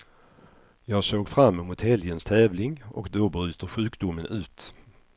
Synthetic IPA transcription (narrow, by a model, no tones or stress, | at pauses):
jɑːɡsoːɡfɾamːɛmʊt̪hɛljənst̪ʰɛːvlɪŋɔ̰kd̪ɔbɾy̟ːt̪əɧʉ̟ːkd̪ʊmːənʉ̟ːt̪